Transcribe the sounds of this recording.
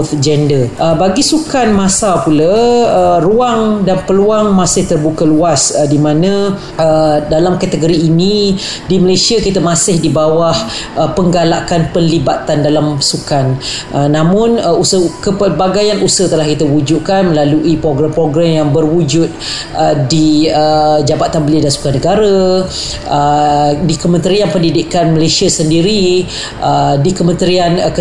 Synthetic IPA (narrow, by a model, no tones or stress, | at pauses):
ɔfd͡ʒɛndəʔəbaɡisukanmãsalpulaəruaŋdanpəluaŋmasɪht̪ərbukəluasədimãnə̃ | ədalamkat̪əɡoɾiːni | diməlesiakit̪əmãsɪhdibawah | əpəŋɡalakanpənlibat̪andalamsukan | ʔənãmʊ̃nəusəkəpərbaɡajanʔusət̪əlahkit̪əwud͡ʒuʔkanmə̃laluʔipɾoɡɾampɾoɡɾamjaŋbərwud͡ʒʊt̪̚ | ədiəd͡ʒabat̪anbəliədansu̥kanəɡaɾa | ədikəmə̃nt̪ɾianpəndidɪʔkanməlasiasəndiɾi | ʔədikəmə̃nt̪ɾiankə